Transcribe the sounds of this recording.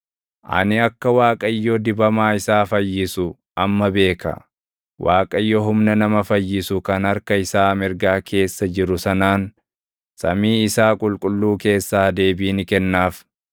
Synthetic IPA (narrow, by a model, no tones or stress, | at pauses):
ʔɐ̰nɪɐkːɐwaːkʼɐjːod̪ɪbɐmaːɪsaːfɐjːɪsʊ | ʔɐmːɐbe̞ːkɐ̰ | waːkʼɐjːɔɦʊmnɐnɐmɐfɐjːɪsʊkɐnɐɾkɐɪsaːmɪɾɡaːkʰe̞ːsːɐd͡ʒɪɾʊsɐnaːn | sɐmiːɪsaːkʼʊlkʼʊlːuːke̞ːsːaːd̪e̞ːbiːnɪkɛnːaːf